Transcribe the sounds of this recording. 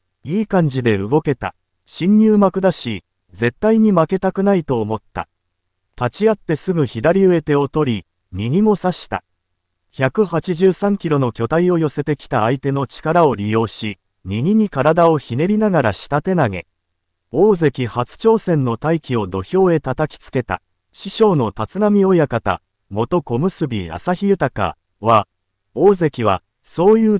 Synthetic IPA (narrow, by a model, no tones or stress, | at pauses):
iːkãɲ̟d͡ʑid̪e̞ɯ̟ɡo̞ke̞t̪a̰ | ɕĩɲ̟ːɨːmakɯ̟d̪aɕi | d͡ze̞t̪ːaiɲ̟imake̞t̪akɯ̟nait̪o̞ːmo̞t̪ːa̰ | t̪at͡ɕiat̪ːe̞sɨɡɯ̟çid̪aɾʲiɯ̟e̞t̪e̞o̞t̪o̞ɾʲi | mʲiɲ̟imo̞saɕi̥t̪a̰ | çakɯ̟hat͡ɕiʑɨːsãŋkʲiɾo̞no̞kʲo̞t̪aio̞jo̞se̞t̪e̞kʲi̥t̪aːit̪e̞no̞t͡ɕi̥kaɾao̞ɾʲijo̞ːɕi | ɲʲiɲ̟iɲ̟ikaɾad̪ao̞çine̞ɾʲinaɡaɾaɕi̥t̪at̪e̞naɡe̞̰ | o̞ːze̞kʲihat͡sɨ̥t͡ɕo̞ːsẽ̞nːo̞t̪aikʲio̞d̪o̞ço̞ːe̞t̪at̪akʲi̥t͡sɨ̥ke̞t̪a̰ | ɕiɕo̞ːno̞t̪at͡sɨnamʲio̞jakat̪a̰ | mo̞t̪o̞ko̞mɯ̟sɨbʲḭa̰saçijɯ̟t̪aka̰ | βa | o̞ːze̞kʲiβ̞a̰ | so̞ːjɯ̟ː